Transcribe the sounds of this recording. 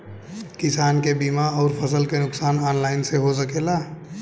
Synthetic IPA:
kɪsaːnkebiːmaɔːɾpʰɐsəlkenʊksaːnɔːnlaːɪnseɦosəkelaː

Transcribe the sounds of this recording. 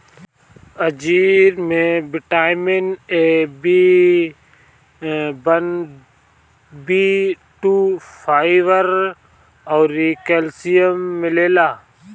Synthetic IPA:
əd͡ʒiːɾmẽbɪʈaːɪmenebi | bən | bi | ʈuːfʰaːɪʋəɾ | ɔːɾikelsijəmːɪleːlaː

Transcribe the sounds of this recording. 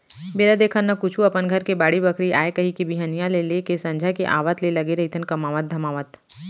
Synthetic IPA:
beːɾad̪eːkʰənːɐkʊt͡ʃʰuɐpənɡʱɐɾkebaːɽibɐkʰɾiʔa̰ːekɐɦikibiɦanijãlelekesɐ̃ɲd͡ʒʱakeʔa̰ːʋət̪lelɐɡeɾɐɦit̪ʰənkɐmaːʋət̪̚d̪ʱɐmaːʋət̪

